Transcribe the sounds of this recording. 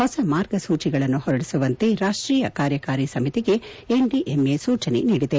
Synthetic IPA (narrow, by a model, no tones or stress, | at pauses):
hɔsɐmaːɾɡɐsuːt͡ʃiɡɐɭɐnːuhɔɾɐɽisuʋɐnt̪eɾaːʂʈɾiːjɐkaːɾjɐkaːɾisɐmit̪iɡe̞ | eɳɖiʔemeːsuːt͡ʃɐnḛniːɽid̪e